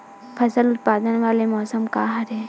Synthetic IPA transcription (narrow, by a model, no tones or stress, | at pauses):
pʰɐsəlʊt̪̚paːd̪ənʋaːlemɔːsəmkaːɦəɾɦɛ̃ː